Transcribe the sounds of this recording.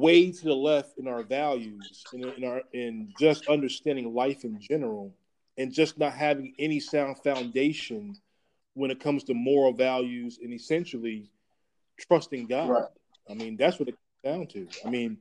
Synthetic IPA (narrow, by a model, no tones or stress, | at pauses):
weɪɾɨðəlɛftɨ̃naʊə˞vælˠjʉz̥ɨ̃nɪ̃nə˞ɨ̃nd͡ʒʌstʌ̃ndə˞stæ̃ndɪ̃ŋlaɪfɨ̃nd͡ʒɛnə˞l̩ˠ | ɨ̃nd͡ʒʌsnət̚ɦævɪ̃ŋɛnisãʊ̃nd̥fãʊ̃ndeɪʃɨ̃n | wə̃ñɨt̚kʰʌ̃mz̥tʰɨmɔɹl̩ˠvælˠjʉzɨ̃nɨsɛ̃nʃl̩ˠi | tʰɹ̥ʌstɪ̃ŋɡɑd̥ | aɪmĩnðætswʌɾɨt̚kʰʌ̃mzdãʊ̃ntʰɨaɪmĩn